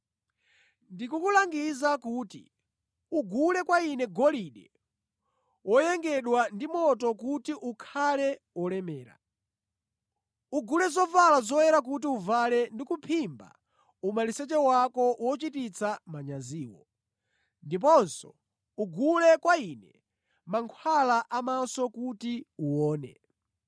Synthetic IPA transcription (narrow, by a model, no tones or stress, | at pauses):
ndikukulaŋɡizakuːtḭ | uɡulɛkwainɛɡɔliɗɛ | wɔjɛŋɡɛɗwandimɔtɔkutiʔukʰalɛ | wɔlɛmɛːɾa̰ | uɡulɛzɔvalazɔjɛɾak̬ut̬iuvalɛndikupʰimba̰ | umalisɛt͡ʃɛwakɔwɔt͡ʃitit͡sʰamaɲaziːwɔ̰ | ndip̬ɔnsɔ | uɡulɛkwainɛ | maŋkʰwalaʔamasɔkutiuwɔːnɛ̰